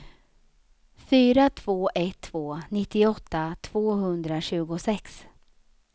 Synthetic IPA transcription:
fyːɾat̪ʰv̥oːʔɛt̪ʰːv̥oːnɪt̪ːɪɔt̪ːat̪ʰv̥oːɦɵnd̪ɾaɕʉ̟ːɡʊsɛks

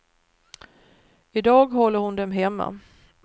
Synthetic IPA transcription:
ɪd̪ɑːɡɦɔlːəɾhʊnd̪ɛmɦɛmːa̰

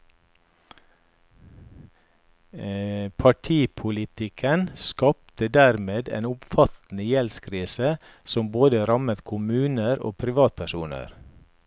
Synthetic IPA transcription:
pʰɑʈʰiːpʰʊlɪt̪ɪkʰənskɑːp̚t̪əd̪æɾmeːd̪ḛːnʊmfɑt̪n̩əjɛlskʰɾiːsə | sɔmboːd̪əɾɑmət̪kʰʊmʉːnəɾo̰ːpʰɾɪʋɑːt̪̚pʰæʃuːnə̰ɾ

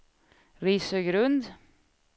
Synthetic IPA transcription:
ɾiːsəɡɾɵnd̪

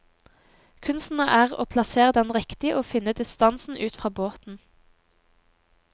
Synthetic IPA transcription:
kʰʉnst̪n̩əʔæːʁo̰ːpʰlɑseːʁəd̪ɛnʁɪkt̪ɪəʔoːfɪnəd̪ɪst̪ɑnsn̩ʉːt̪fʁɑːboːt̪n̩

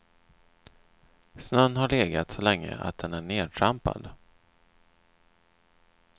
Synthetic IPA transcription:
snœnːɦaɭeːɡat̪sɔlɛŋːə̰ʔa̰t̪̚d̪ɛnæɳeːʈʰɾampa̰d̪

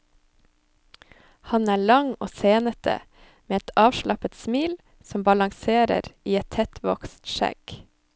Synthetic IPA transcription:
hɑnæːɭɑŋoːseːnət̪ʰə̰ | meːɛt̪ʰɑːʋʃlɑpət̪smiːl | sɔmbɑlɑŋseːɾə̰ɾiːɛt̪ʰɛt̪ʰʋɔkst̪ʃɛ̰ɡ̥

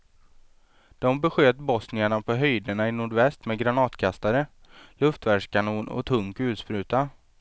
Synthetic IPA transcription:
d̪̥ɔmbɛɧøːt̪bɔsnɪaɳapʰɔɦœjd̪əɳaɪnʊɖvɛst̪mɛːɡɾanɑːt̪kʰast̪aɾəlɵft̪væʂkʰanuːnʔɔ̰t̪ʰɵŋkʉ̟ːt̪spɾʉ̟ːt̪a

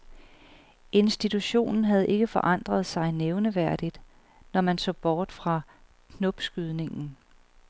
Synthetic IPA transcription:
ʔe̝nsd̥it͡sʰuɕo̝̰ːnn̩ɦæð̞ˠʔe̝ɡ̥əfɒ̽ʔɑ̈n̰d̥ʁɐð̞ˠsɑ̈ɪneʊnəʋæɐ̰d̥id̥ | nɒmænsɔ̰ːb̥ɒːd̥fʁɑ̈ | kʰnɔb̥sɡ̥yð̞ˠne̝ŋn̩

